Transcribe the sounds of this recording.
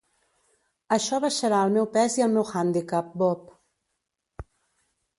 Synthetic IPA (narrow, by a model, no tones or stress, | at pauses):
əʃɔβəʃəɾaəlˠmɛwpɛziəlˠmɛwxand̪ikap̚bɔp